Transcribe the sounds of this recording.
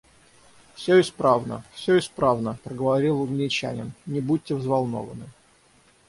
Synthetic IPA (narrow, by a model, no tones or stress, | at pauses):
fsʲoɪspɾavnə̰fsʲɵɪspɾavnəpɾəɡəvɐɾʲilˠːʊɡnʲɪt͡ɕæ̰nʲɪ̰nnʲɪbut̚ʲːɪvzvɐlˠno̰və̰nɨ